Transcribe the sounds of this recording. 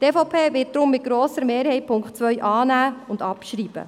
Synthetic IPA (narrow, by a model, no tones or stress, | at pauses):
tefopʰeːʋɪt̚d̥ɾʊmːɪt̚ɡ̥ɾoːsəɾmeːɾhɛɪpʰʊŋkt͡sʋœʏʔɑːnæːʊndɑpʃɾiːb̥ə̰